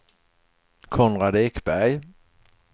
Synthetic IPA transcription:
kʰɔnɾad̪ekbæj

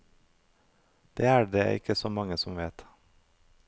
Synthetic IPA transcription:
d̪̥eːæːɖḛːʔɪ̰kəsoːmɑŋəsɔmʋeːt̪

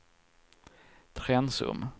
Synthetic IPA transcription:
t̪ʰɾɛnsɵ̰m

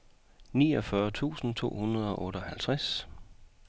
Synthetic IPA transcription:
nḭːɒ̽fɶɐt͡sʰṵːsn̩t͡sʰo̝̰ːhunɐð̞ˠɒ̽ʔɔ̽ːɾ̥əɒ̽hælt͡sʰʁas

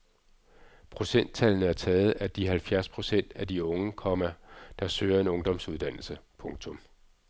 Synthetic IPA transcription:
pʰʁo̝sen̰d̥̚t͡sʰælnəæɐt͡sʰɛːð̞̩ˠæd̥iɦælfjæɐspʰʁo̝sen̰d̥æd̥iɔ̽ŋəkʰɒ̽mæd̥ɑ̈søːɐe̝nɔ̽ŋd̥ɒ̽msuð̞ˠd̥æn̰l̩səpʰɔ̽ŋt͡sʰɔ̽m

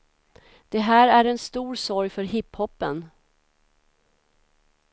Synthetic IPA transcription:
d̪̥ɛɦæːɾæɾɛnst̪uːɾsɔɾjfœɾɦɪphɔpːən

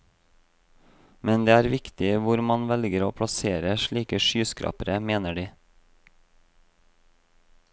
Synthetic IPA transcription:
mɛnd̪eːæːɾʋɪkt̪ɪʋʊɾmɑnʋɛlɡəɾoːpʰɽɑseːɾəʃɭiːkəʃyːskɾʔɑ̰ːpəɾəmeːnəɖiː

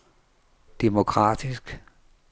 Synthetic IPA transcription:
d̥emo̝kʰʁɑ̰̈ːd̥isɡ̥

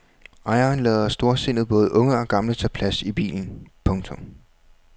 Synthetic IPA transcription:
ʔɑ̈ɪɐnlɛðˠɐsd̥o̝ɐse̝n̰ð̩ˠb̥ɔ̽ːð̞̩ˠʔɔ̽ŋəɒ̽ɡ̥ɑ̈mlət͡sʰæpʰlæsib̥ḭːln̩pʰɔ̽ŋt͡sʰɔ̽m

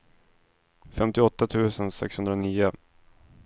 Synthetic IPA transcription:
fɛmt̪ɪɔt̪ːat̪ʰʉ̟ːsənsɛ̰kshɵnd̪ɾaniːʊ

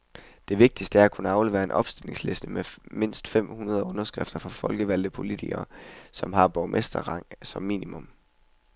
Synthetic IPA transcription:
d̥e̝ʋe̝ɡ̥̚d̥isd̥əæɐækʰunəɑ̈ʊleʋḛɐe̝nʔɒ̽b̥sd̥ele̝ŋsle̝sd̥əmeme̝n̰sd̥fem̰hunɐð̞ˠɔ̽nɐsɡ̥ʁefd̥ɐfʁɑ̈fɒ̽lɡ̥əʋæl̰d̩pʰo̝lidʰiɡ̥ɐsɒ̽mɦɑ̈b̥ɒmʔesd̥ɐʁɑ̈ŋ̰sɒ̽mːḭːnimɔ̽m

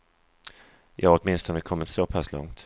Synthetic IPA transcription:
jʔɑːɔt̪mɪnst̪ɔnəkʰɔmːɪt̪sopʰaslɔ̰ŋt̪

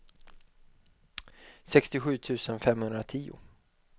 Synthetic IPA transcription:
sɛkst̪ɪɧʉ̟ːt̪ʰʉ̟ːsənfɛmhɵnd̪ɾat̪ʰiːʊ̰

